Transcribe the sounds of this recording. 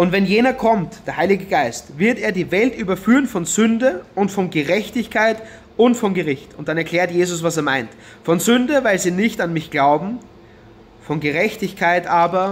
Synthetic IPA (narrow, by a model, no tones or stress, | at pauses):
ʔʊntvɛnjeːnɐkʰɔmtd̥eːɐhaɪlɪɡəɡaɪstvɪɐteːɐdiːvɛltʔyːbɐfyːʁənfɔnzʏndəʔʊntfɔnɡəʁɛçtɪçkʰaɪt | ʔʊntfɔnɡəʁɪçtʊnt̚d̥anɛɐkʰl̥ɛːɐtjeːzʊs̬vaseːɐmaɪnt | fɔnzʏndəvaɪlziːnɪçtanmɪçɡ̥laʊbm̩ | fɔnɡəʁɛçtɪçkʰaɪtʔaːbɐ